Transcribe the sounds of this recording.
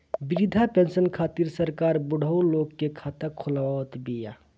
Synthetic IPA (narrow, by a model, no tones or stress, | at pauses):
biʋid̪ʱapensənkʰaːt̪iɾsəɾkaːɾbʊɽ̤ʱəwloɡːekʰat̪əkʰʊlʋat̪bija